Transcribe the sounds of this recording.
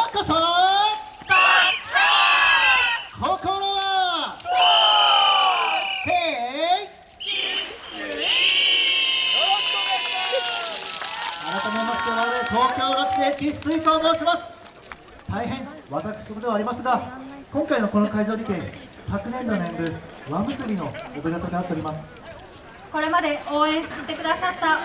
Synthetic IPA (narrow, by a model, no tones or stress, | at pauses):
kaso | kʰoːkoːnaa | ke | aɾat̪amemasɨ̥t̪enaɾɯt̪o̞ːkʲo̞ːnakɨd̪ekʲisɨikoːnõːɕimasɨ̥ | t̪aiɦẽ̞ŋβat̪akɯ̥ɕi̥t̪ood̪e̞βaːɾimasɨɡakõ̞ŋkaino̞ko̞no̞kaiʑo̞ːɾʲit̪ẽ̞ | sakɯ̟nẽ̞nːonẽnbɯ̟ | βamɯ̟sɨɾʲino̞ːbeɾʲaseinat̪ːe̞oɾʲimasɨ̥ | ko̞ɾe̞mad̪e̞oːẽɰ̃sɨ̥it̪ːe̞kɯ̟d̪asat̪ːa